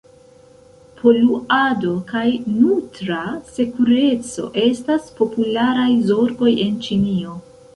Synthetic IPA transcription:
pʰo̞luado̞kajnutɾase̞kuɾe̞t͡so̞̰ʔe̞staspo̞pulaɾajzo̞ɾɡo̞je̞nt͡ʃinio̞

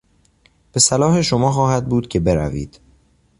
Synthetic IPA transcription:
b̥e̞sælɒːhe̞ʃomɒːxɒːhæd̪̚buːd̪̥cʰe̞be̞ɾæ̰vḭːd̪̥

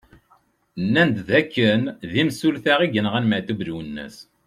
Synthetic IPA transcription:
nːænd̪ðækːənðimsulθaʁiʝənʁænmæt̪ubɾuwənːə̰s

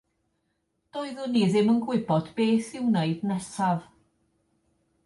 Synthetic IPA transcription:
d̥oːɨðʊniːðɪmənɡwɪbɔdbeːθɪwneɨdnɛsav

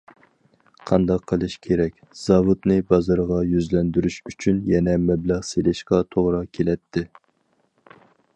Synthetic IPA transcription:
qʰɑnd̪ɑqʰːəlˠɨʃkʲʰeɾɛkʲz̥ɑvud̪nɪbɑzɑɾʁɑjyzlɛnd̪yɾyʃyt͡ʃʰynjɛnɛmɛblæʁselɪʃqɑt̪ʰoʁɾɑkʲʰelɛt̪ʰːɪ

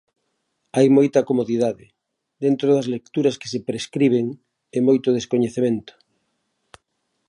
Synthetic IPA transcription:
ajmojt̪ɐkomoðiðaðɪ | d̪ent̪ɾoðɐzlek̚t̪uɾɐske̥sepɾeskɾiβ̞eŋ | emojt̪oðeskoɲeθemẽnt̪ʊ̥

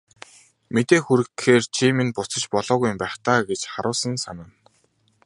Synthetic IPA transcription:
met̪eːxuɾɘ̆kxeːrt͡ɕʰimenpʊt͡sə̆t͡ɕpɔɮɔːɣuj̆mpæːχt̪aːɡet͡ɕχaɾʔʊːsə̆nsanaːn

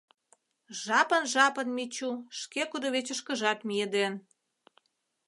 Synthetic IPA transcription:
ʒ̥ɑpənʒɑpənmit͡ɕuʃkekud̪oβet͡ɕəʃkəʒɑt̪mijed̪en

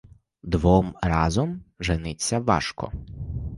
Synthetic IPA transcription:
d̪ʋɔmrɑzɔmʒenɪt͡sʲːɐʋɑ̰ʃkɔ̰

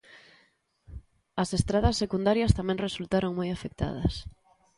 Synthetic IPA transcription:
ɐsest̪ɾaðɐsːekund̪aɾjɐst̪amɛ̃ŋresult̪aɾoŋmojafek̚t̪a̰ð̞ɐ̰s

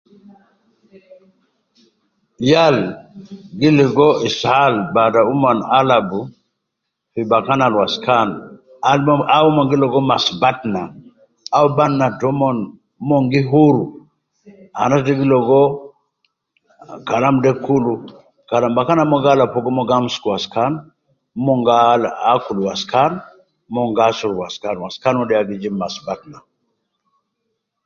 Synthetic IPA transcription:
jal | ɡiliɡɔishalbadaumanalabu | fibakanalwaskan | aumɔŋɡilɔɡɔmasbatna | aubannatɔmɔn | mɔŋɡiɦuɾu | a̰nadiɡilɔɡɔ | kalamdɛkulu | kalambakanamɔɡalapɔɡɔmɔɡamskuwaskan | mɔŋɡalaakuluwaskan | mɔŋɡasuɾwaskanwaskanwɔɗɛaɡid͡ʒimːasbatna

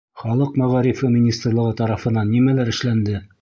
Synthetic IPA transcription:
χɒlˠɤqmæʁɑɾifɘmʲinʲist̪rlˠɤ̆ʁɤt̪ɑɾɑfɤ̆nɑnːimælæɾɘ̆ʃlænd̪ɘ

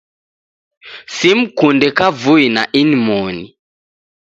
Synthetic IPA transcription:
sim̩kundɛkavuinaʔinimɔnḭ

